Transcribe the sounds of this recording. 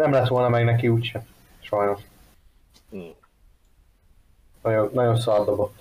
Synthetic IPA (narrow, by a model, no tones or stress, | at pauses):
nɛmlɛt̪ʋo̞lnɒmɛɡnɛkiuːcʃɛn | ʃɒjno̞ʃ | nɒɟonːɒɟo̞nsɒrd̪obot̪ː